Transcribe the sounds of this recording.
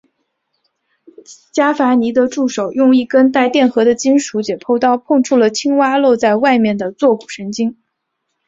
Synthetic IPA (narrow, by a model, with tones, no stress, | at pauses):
t͡ɕja˥fa˧˥ni˧˥d̪ə˧ʈ͡ʂu˥˩ʂo˨˩ʊjʊ˥˧ŋi˥˩kə˥nt̪a˥˧ɪt̪jɛ˥˩nxɤ˧˥d̪ə˧t͡ɕi˥nʂu˧˥t͡ɕjɛ˨˩pʰo˥˧ʊt̪ɑ˥˧ʊpʰɤ˥˧ŋʈ͡ʂʰu˥˩lə˩t͡ɕʰi˥ŋwa˥lɔ˥˧t͡sa˥˧ɪwa˥˧ɪmjɛ˥˩nd̪ə˩t͡swɔ˥˩ku̥˨˩ʂə˧˥nt͡ɕi˥ŋ